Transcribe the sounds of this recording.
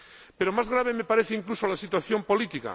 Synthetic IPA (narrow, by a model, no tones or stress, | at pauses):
peɾomazɣɾaβ̞e̞me̞paɾeθeiŋklusolasit̪̬waθjo̞mpolit̪ika̰